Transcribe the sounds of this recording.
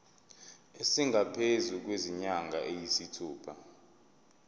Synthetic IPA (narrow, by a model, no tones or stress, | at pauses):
esiŋapʰezuk̬weziɲaŋɡʱaʔejisitʰuːpʰa